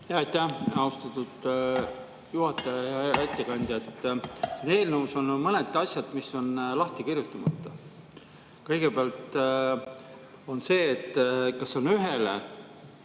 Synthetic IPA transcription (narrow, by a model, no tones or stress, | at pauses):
jɑɑjt̪ːæhɑust̪ɑt̪ːˑud̪̥ | juhɑt̪ːˑɑjɑjɑæt̪ʲːˑekɑnʲd̪jɑt̪ːˑsine̞ːlnəuso̞nmɤned̪ɑsʲjɑd̪̥misːo̞nlɑht̪ikirjut̪ːˑɑmɑt̪ːˑɑ | kɤjɡ̥e̞peɑlt̪ˑ | o̞nse̞ːt̪ːˑkɑsːo̞nyɦe̞lḛ